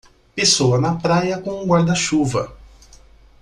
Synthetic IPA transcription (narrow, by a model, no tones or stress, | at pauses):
pesoɐnɐpɾajɐkõũɡwaɾd̪ɐʃuvɐ̰